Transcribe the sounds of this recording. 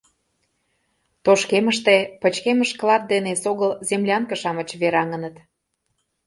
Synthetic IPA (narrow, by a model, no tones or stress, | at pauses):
t̪oʃkeməʃt̪epə̆t͡ɕkeməʃklɑt̪̚d̪enesoɣəlzemlʲɑŋkə̆ʃɑmət͡ɕβeɾɑŋə̆nət̪